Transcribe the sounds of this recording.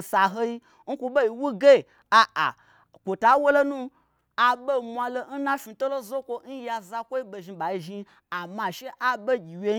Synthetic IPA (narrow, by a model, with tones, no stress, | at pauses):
sa˨ɦo˧i˦ | n̩˦kʷu˧ɓo˦i˨wu˦ɡe˦˨ | a˨ʔa̰˨ | kʷo˨ta˨˦wo˦lo˦nũ˦ | a˨ɓe˦mʷa˧lo˦n̩˦nã˦fi˨˧to˦lo˦zo˦kʷo˧˦n̩˦ja˧za˧kʷo˦i˦be˨ʒi˧ɓa˨i˧ʒi˧ | a˨ma˨ʃe˦ʔa˦be˦ɡʲi˨wje˦